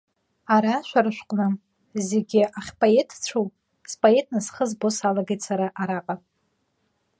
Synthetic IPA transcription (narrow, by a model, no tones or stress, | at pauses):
aɾaʃʷᶣaɾɨʃᶣʷqʷʼnɨ | zeɡʲɪʔaχʲpʰʼoe̞tʰt͡ɕʷʰow | spʰʼoe̞tʰnasχəzbo̞salaɡejtʼsaɾaʔaɾaqʼa